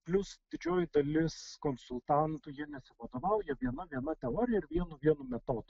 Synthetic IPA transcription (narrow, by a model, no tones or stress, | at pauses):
pʲlʲʊsd̪ʲɪd͡ʒʲoːjɪd̪ɐlʲɪskoːnsʊlˠt̪ɑnt̪ʊjiɛnʲɛsʲɪʋɐd̪oːʋɐʊjɛʋʲiɛnɐʋʲiɛnɐt̪ʲɛoːɾʲɪjɛɪɾʋʲiɛnʊʋʲiɛnumʲɛt̪oːd̪ʊ